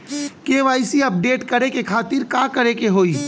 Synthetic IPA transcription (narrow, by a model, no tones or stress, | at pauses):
keːʋaːɪsiɐp̚ɖeːʈkɐɾekekʰaːt̪ɪɾkãːkɐɾekeɦoːiː